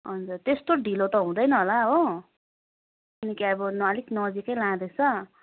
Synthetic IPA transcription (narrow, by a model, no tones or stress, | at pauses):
ɦʌnd͡zurt̪est̪oɖʱilot̪ʌɦũd̪ʌjnʌɦolaɦo | ʌnikiabʌnaliknʌd͡zikʌjlãd̪et͡sʰʌ